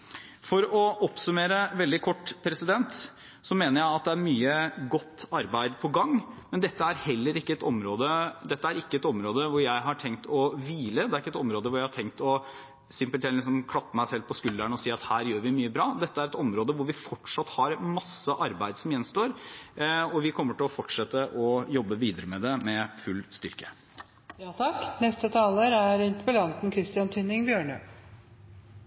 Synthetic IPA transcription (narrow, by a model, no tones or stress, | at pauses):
fɔɾɔʔɔpsʉmeːɾəʋɛld̪ɪkʰɔʈːpʰɾɛsɪd̪ɛnt̪ | sɔmeːnəɾjæɪɑt̪̚d̪ɛæɾmyːəɡɔt̪ːɑɾbæɪd̪pʰɔɡɑŋmɛnd̪ɛt̪ːəæɾhɛlːəɾɪkːəɛt̪ɔmɾoːd̪əd̪ɛt̪ːəæɾɪkːəɛt̪ɔmɾoːd̪əʋʊɾjæɪɦɑʈʰɛŋt̪ʰɔʋiːləd̪ɛæɾɪkːɛt̪ɔmɾoːd̪əʋʊɾjæɪhɑʈʰɛŋkt̪ɔ | sɪmpəlt̪ɪɪsɔmkʰɽɑt̪ːəmæɪsɛlpʰɔskʉld̪æɳɔsiːɑt̪hæːɾjøːɾʋɪmyːəbɾɑːd̪ɛt̪ːəæɾɛt̪ɔmɾoːd̪əʋʊɾʋɪfɔʈʂɑt̪ːhɑɾmɑsːəʔɑɾbæɪd̪sɔmjɛnst̪oːɾ | ɔʋɪkʰɔmːəʈɪlɔfɔʈːʂɛt̪ːəʔɔjɔbːəʋiːd̪əɾəmɛd̪ɛmɛfʉlːst̪ʏɾkə̥ | jɑt̪ʰɑknɛst̪ət̪ʰɑːləɾæɾʉnt̪pəlɑnt̪n̩kʰɾɪst̪ɪɑnt̪ʰʏnɪŋbjøːɳə